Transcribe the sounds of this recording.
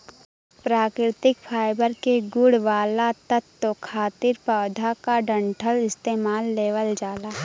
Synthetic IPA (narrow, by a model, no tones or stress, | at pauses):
pɾaːkɾɪt̪ɪkfʰaːɪbəɾkeɡʊɽʋaːlat̪ət̪ːokʰaːt̪ɪɾpaːd̪ʱakaɖə̃ɳʈʰəlɪst̪eːmaːlːeːʋəld͡ʒaːlaː